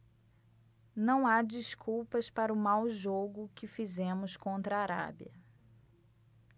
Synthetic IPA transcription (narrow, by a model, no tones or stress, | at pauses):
nɐ̃w̃ad͡ʒiskuwpɐspaɾʊmawʒoɡʊkɪfizẽmʊskõnt̪ɾɐːɾa̰biɐ